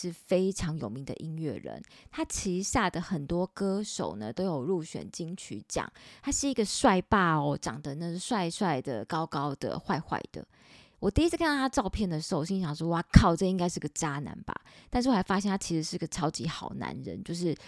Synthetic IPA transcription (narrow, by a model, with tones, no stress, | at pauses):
ʂɻ̩˥˩fe˥ɪʈ͡ʂʰɑ˧˥ŋjo˨˩ʊmi˧˦ŋd̪ə̰˧ʔi˦˥nɥɛ̰˥˩ɻə̰˧˦nt̪ʰa˥t͡ɕʰi˧˥ɕja˥˩d̪ə˩xə˨˩nt̪wɔ˥kɤ˥ʂo̰˨˩ʊnə̰˨t̪o˥ʊjo˨˩ʊɻu˥˩ɕɥɛ̰˨˩nt͡ɕi˥ŋt͡ɕʰy̰˧˥t͡ɕjɑ̰˨˩˦ŋt̪ʰa˥ʂɻ̩˥˩i˧˥ɡə˨swa˥˧ɪpa˥˩ɔ˨˩ʈ͡ʂɑ˨˩ŋd̪ə˦na˥˧˩ɡə˧swa˥˧ɪswa˥˩ɪd̪ə̰˨˩kɑ˥ʊkɑ˥ʊd̪ə̰˨xwa˥˧ɪxwa̰˥˩ɪd̪̥ə̰˩ | wɔ˨˩t̪i˥˧i˥s̩ʰ˥kʰn˥˩t̪ʰa˥ʈ͡ʂɑ˥˧ʊpʰjɛ˥˩nd̪ə˩ʂɻ̩˧˥˧ɕ̬i˥˧ɕjɑ˨˩ŋʂɔ˥wa˥˩kʰɑ˥˩ʊʈ͡ʂɤ˥˧i˥ŋka˥ɪʂɻ̩˥˩˧ɡə˩t͡ɕa˥na̰˧˥nba̰˨t̪a˥˧nʂɻ̩˥˩wʰa˥ɪfa˦˥ɕjɛ˥nʰa˥t͡ɕʰi˧˥ʂɻ̩˧˥ʂɻ̩˥˩i˥ɡə˩ʈ͡ʂʰɑ˥ʊt͡ɕi˧˥xɑ˨˩ʊna̰˧˦nɻə̰˧˦nt͡ɕjo˥˧ʊʂ̬ɻ̩˥˩